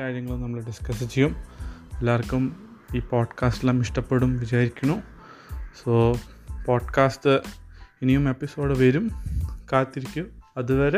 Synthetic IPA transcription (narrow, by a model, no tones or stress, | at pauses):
aːɾjɐŋːɐɭunɐmːɐɭɨɖiskɐsit͡ɕːɐjumelːaːrkːum | iːpoːɖkaːsʈilaːmiʂʈɐpːe̞ɽumʋid͡ʑaːjɾikʲːuɳːu | soːpoːɖkaːstɨinijume̞pːiso̞ːɖɨʋɐɾumkaːt̪ːiɾikʲːumɐðuʋɐɾe